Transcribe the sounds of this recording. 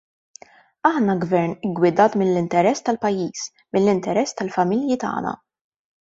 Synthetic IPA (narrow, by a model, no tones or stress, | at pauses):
ɐħnɐɡvɛɾnɪɡwɪd̪ɐːt̪mɪlːɪnt̪ɛɾɛsːt̪ɐlpɐjːiːs | mɪlːɪnt̪ɛɾɛsːt̪ɐlfɐmɪljit̪ɐ̰ːnɐ̰